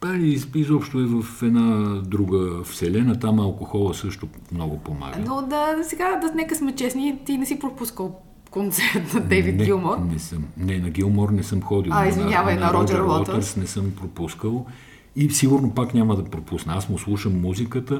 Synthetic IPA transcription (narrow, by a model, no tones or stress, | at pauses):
paiizɔpʃt̪oɛvɐfɛd̪nad̪ɾuɡəfsɛlɛnət̪amɐlˠkoxɔlˠəsɤʃt̪ʊ | mnɔɡʊpoma̰ɡ̪od̪ɐsɛɡad̪ɐnɛkəsmɛt͡ʃɛsnit̪inɛsipɾopuskəlˠ | kont̪sɛɾt̪nɐd̪ɛvit̪nɛɡilˠmɔɾnɛsəmnɛnɐɡʲilˠmɔɾnɛsɤmxɔd̪ilˠaizmiɲʲavɐnɐɾɔd͡ʒ̪ɛɾɔɔt̪əɾsnɛsəmpɾopuskəlˠ | isiɡʊɾnopaknʲaməd̪ɐpɾopusnəasmoslˠuʃəmːuzikət̪ə